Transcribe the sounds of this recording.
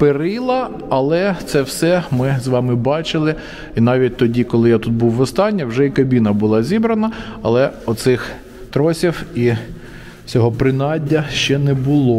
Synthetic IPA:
peɾɪlˠɐ | ɐlˠɛt̪sɛwsɛmɪzʋɑmɪbɑt͡ʃɪlˠɪ | inɑʋʲit̚ʲt̪ɔdʲikɔlˠɪjat̪ut̪̚buwːɔst̪ɑnʲːɐwʒɛikɐbʲinɐbʊlˠɑzʲibɾɐnɐɐlˠɛɔt̪sɪx | t̪ɾɔsʲiwi | t͡sʲɔɦɔpɾɪnɑdʲːɐʃt͡ʃɛnɛbʊlˠɔ

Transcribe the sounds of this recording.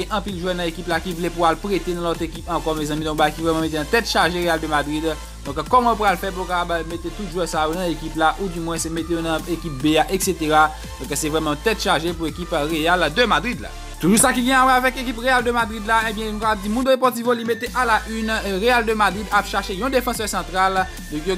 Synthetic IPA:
ɛ̃ʔɐ̃pilʒwɛnɐ̃ekiplakivulɛpualpʁet̪enɐ̃lɔt̪ʁekipɐ̃kɔmɛzɐ̃mĩd̪ɔ̃kbajkivʁɛmãmet̪̬eɑ̃t̪ɛt̪ʃaʁʒeʁeald̪ømad̪ʁid̪ | d̪ɔ̃kkːɔmãopɣalfɛp̬ukapabmet̪et̪ut̪ʒwɛsajonɐ̃ekiplaʔud̪ymwɛ̃sɛmet̪ejonɐ̃ekip̚beaʔekset̪eʁa | d̪̥ɔ̃ksɛvʁɛmɑ̃t̪ɛt̪ʃaʁʒepuekipʁeald̪əmad̪ʁid̪la̰ | t̪uʒusakiɡɛ̃awɛavɛkek̬ipʁeald̪əmad̪ʁid̪laebjɛ̃nũkapab̚dimũnd̪oepɔt̪ivolimet̪eʔalaʔynʁeald̪əmad̪ʁid̪apʃaʃejɔ̃d̪efɑ̃sœʁsɑ̃t̪ʁal | d̪ɔ̃kjo

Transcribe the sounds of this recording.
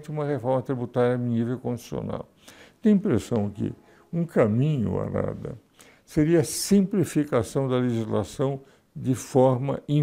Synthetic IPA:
t͡ʃ̪ɪũmɐɣefɔɾmɐt̪ɾibut̪aɾjɐĩnivewkõd͡ʒi̥sio̰na̰w | t̪ẽj̃ĩpɾesɐ̃w̃kɪ̰ | ũkamĩɲʊ̰a̰ɾa̰d̪ɐ̰ | seɾiɐsĩplifikasɐ̃w̃d̪ɐleʒizlasɐ̃w̃ | d͡ʒ̪ɪfɔɾmɐ̰ĩ

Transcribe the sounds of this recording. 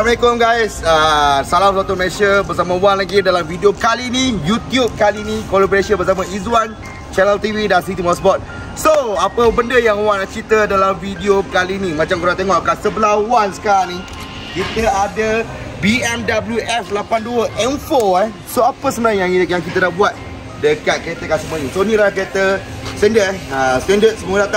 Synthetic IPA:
məekɔmɡajsəsalamsat̪umɛʃəbəs̬amə̃wanlaɡidalamvidiokalinijut̪jup̚kalinĩkɔlabəɾesənbəs̬amaizuwan | t͡ʃɛnəlt̪ividansit̪imɔsbɔt̪̚ | soapəbəndəjaŋwanat͡ʃit̪ədalamvidiokalinĩmãt͡ʃamkuɾat̪eŋɔʔakansəbəlahwansə̥kaɾaŋni | kit̪əadə | biɛmdabəljuʔɛflapanduəʔɛnfoɛh | soapəsənãjaŋkjaŋkit̪ənabuat̪̚ | dəkat̪̚kəɾet̪əkansəmaɲisonĩlakəɾet̪ə | sɛndəɛəst̪ɛndət̪̚səmuədat̪a

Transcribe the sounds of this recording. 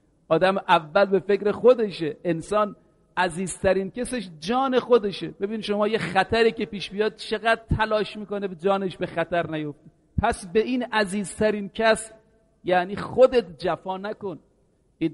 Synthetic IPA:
ʔɒːd̪æmʔævːælbe̞fe̞kɾe̞xod̪e̞ʃeʔensɒːn | ʔæziːzt̪ʰæɾiːnkæseʃd͡ʒɒːne̞xod̪e̞ʃebe̞biːnʃo̞mɒːjexæt̪ʰæɾiːke̞piːʃbijɒːd̪̥̚t͡ʃʰe̞ɣæd̪̚t̪ʰælɒːʃmiːko̞nebed͡ʒɒːne̞ʃbe̞xæt̪æɾnæjo̞ft̪e | pʰæsbe̞ʔinæziːzt̪ʰæɾiːnkʰæs | jæːniːxod̪e̞t̪d͡ʒæfɒːnæko̞n | i

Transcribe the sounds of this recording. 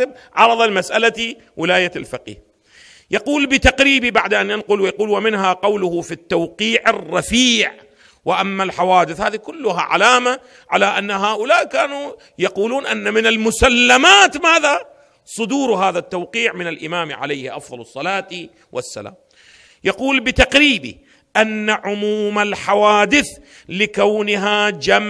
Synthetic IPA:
ɪb̚ʕɑɾˤɑðˤɑlɪmasʔalat̪i | wɪlaːjalfɪqḭːh | jɑquːlbɪt̪ɑqɾiːbibaʕd̪ʔanjanqʊlwɪjɑquːlwamɪnɦaqɑwlʊhʊfit̪ːawqiːʕɪrˤːɑfiːʕ | wɪʔamːalħawaːd̪ɪθhaːðikʊlːʊɦa̰ʕa̰laːma | ʕalaʔanːaɦaːʔʊlaːʔkaːnu | jɑquːluːnʔanːamɪnalmʊsalːamaːt̪maːða | sˤʊd̪uːɾɦaːðat̪ːawqiːʕmɪnalʔɪmaːmʕa̰lajhɪʔɑ̰fðˤɑlɨsˤːɑlaːt̪ | wʔa̰sːa̰la̰ːm | jɑquːlbɪt̪ɑqɾiːbḭ | ʔanːaʕʊmuːmalħawaːd̪ɪθ | lɪkawnɪɦad͡ʒam

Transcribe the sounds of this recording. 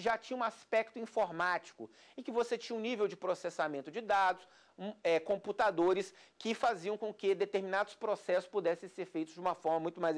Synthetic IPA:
ʒat͡ʃĩɲɐũaspɛk̚t̪ʊĩfoɾmat͡ʃi̥kʊ | ẽkɪvoset͡ʃĩɲɐũnivewd͡ʒɪpɾosesamẽnt̪ʊd͡ʒɪd̪ad̪ʊs | ɛkõput̪ad̪oɾɪskɪfaziɐ̃w̃kõkɪd̪et̪eɾminad̪ʊspɾosɛsʊ̥spud̪ɛsẽseɾfejt̪ʊzd͡ʒɪũmɐfɔɾmɐmũj̃t̪ʊmajz

